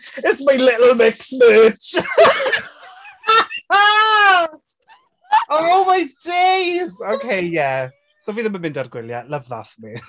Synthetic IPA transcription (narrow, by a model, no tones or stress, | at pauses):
ɪtsmajlɪʔl̩ˠmɪksmɜːt͡ʃ | a | ooʊmaɪdejzokʰeɪjæ | soʊviːðəməmɪ̃ndarɡwɪlja̰lʌvða̰fəmi